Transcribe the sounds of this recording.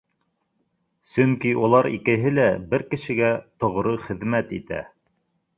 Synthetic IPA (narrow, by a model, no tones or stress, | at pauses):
sɵŋkiulˠɑɾḭkɘ̆ɦɘlæbɘɾkɘ̆ʃɘ̆ɡæt̪ŏʁɾɤχɘ̆ðmæt̪ḭt̪æ̰